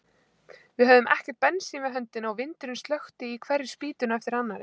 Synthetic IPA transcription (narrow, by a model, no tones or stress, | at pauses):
vɪðɦœvðʏmʔɛ̰hcɛɾ̥t̪̚pɛnːsiːmɪɦœnt̪ɪnawvɪnt̪ʏɾʏnst̪lœxt̪ɪikʰvɛrːɪ̥spiːt̪ʏnaɛft̪ɪɾanːaɾ